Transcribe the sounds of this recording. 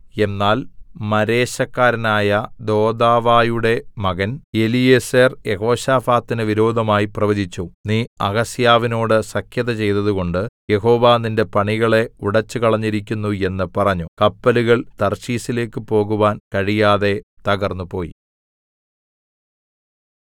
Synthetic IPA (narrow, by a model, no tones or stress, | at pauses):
e̞nːaːlmɐɾe̞ːɕɐkːaːɾɐnaːjɐd̪o̞ːd̪aːʋaːjuɽe̞mɐɣɐne̞lijeːseːrjeɦo̞ːɕaːfaːt̪ːinɨʋiɾo̞ːd̪ʱɐmaːjiprɐʋɐd͡ʑit͡ɕːuniːɐɣɐsjaːʋino̞ːɽɨsɐkʰjɐðɐt͡ɕe̞jt̪ɐðuɣo̞ɳɖɨje̞ɦo̞ːʋaːninde̞pɐɳiɣɐɭe̞uɽɐt͡ɕːɨkɐɭɐɲːiɾikʲːunːue̞nːɨpɐrɐɲːukɐpːɐluɣɐɭt̪ɐrɕiːsile̞ːkːɨpo̞ːɣuʋaːnkɐɻijaːðe̞t̪ɐɣɐrnːupo̞ːjḭ